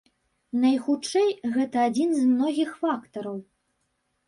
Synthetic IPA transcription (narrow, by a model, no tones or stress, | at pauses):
nɐjxut͡ʂɛjɣɛt̪ɐːd͡zʲinzmnɔɣʲixfakt̪ɐɾɐw